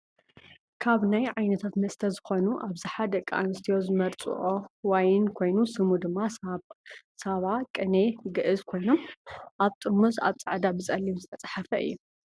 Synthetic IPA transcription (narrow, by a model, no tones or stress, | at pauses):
kʰaβnajʕajnɐt̪ʰat̪mɐst̪ʰɐzɨxo̞nuʔaβzaħad̪ɐkʼːaʔa̰nɨst̪ʰijo̞zɨmɐɾt͡sʼɨ̰ʔowajɪnkʰo̞jnusɨmud̪ɨmːa | saβakʼɨne̞ɡɨʔɨzkʰo̞jno̞mʔaβt̪ʼɨɾmuzaβt͡sʼaʕd̪abɨt͡sʼɐlːimzɨt̪ʰɐt͡sʼḁħafɐʔɨ̰jːu